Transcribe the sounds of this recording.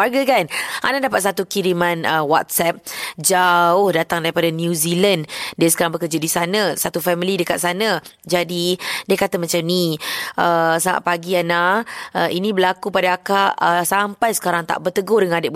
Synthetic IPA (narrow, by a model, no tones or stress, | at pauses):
arɡakanʔa̰nadapat̪̚sat̪ukiɾimãnəwa̰t̪̚sɛp̚d͡ʒaʊhdat̪aŋdaɾipadanjuzilandiəsəkaɾaŋbəkərd͡ʒadisanãsat̪ufɛmilidəkat̪̚sanãd͡ʒadidiəkat̪əmat͡ʃamniʔəsaŋa̰ʔ̚paɡianaəinĩbəlakupadaakaʔəsampajsə̥kaɾaŋt̪a̰ʔbərt̪əɡʊhdəŋanadə